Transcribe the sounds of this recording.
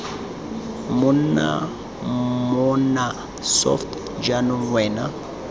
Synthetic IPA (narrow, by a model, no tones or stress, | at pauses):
muna̰ | mɔna | sɔ̰ft | d͡ʒanuwɛna